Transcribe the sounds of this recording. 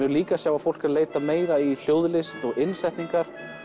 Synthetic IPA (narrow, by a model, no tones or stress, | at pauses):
ʏɾliːkasjaːwafowl̥kɪɾleːjt̪ameːjɾail̥joːwðlɪst̪ɔɣɪnsɛjht̪niŋkaɾ̥